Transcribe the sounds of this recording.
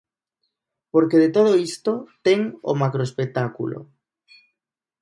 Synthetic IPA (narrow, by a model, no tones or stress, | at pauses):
poɾkeðet̪oð̞oist̪ot̪eŋo̰makɾoespek̚t̪akṵlo̰